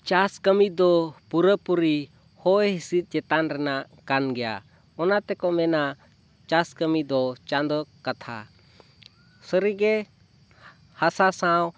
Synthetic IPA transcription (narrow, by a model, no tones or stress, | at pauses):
t͡ʃaskəmid̪ɔpuɾəpuɾi | hɔjɦisit̪̚ˀd͡ʒɛt̪anɾɛnaʔ | kanɡɛja̰ | ɔnat̪ɛkɔmɛna | t͡ʃaskəmid̪ɔt͡ʃand̪ɔkat̪ʰa̰ | səɾiɡɛ | hasasãw